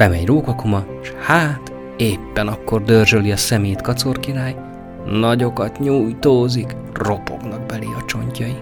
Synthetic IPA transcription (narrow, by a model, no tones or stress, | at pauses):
b̥ɛmɛɲroːkɒkomɒ | ʃhaːt̪ | eːpːɛnɒkːo̞rd̪ørʒøliɒsɛmeːjt̪kɒt̪so̞rkiɾaːj | nɒɟo̞kɒt̪ɲuːjt̪oːzik | ro̞po̞̰ɡnɒɡ̚bɛliɒt͡ʃo̞ɲcɒji